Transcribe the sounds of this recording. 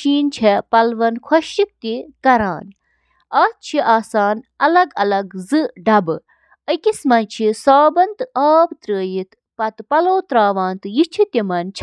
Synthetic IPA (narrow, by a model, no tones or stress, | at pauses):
ʃiːnt͡ʃʰɛpɐlʋɐnkʰɐʃik̚t̪ikɐɾaːn | aːt̪̚t͡ʃʰiʔaːsaːnɐlɐɡɐlɐɡzɨɖɐbɨ | əkismɐnt͡ʃʰisaːbɐnt̪aːbt̪ɾəːjit̪ | pɐt̪pɐloːt̪ɾaːʋaːnt̪ɨjit͡ʃʰit̪ʲimɐnt͡ʃʰ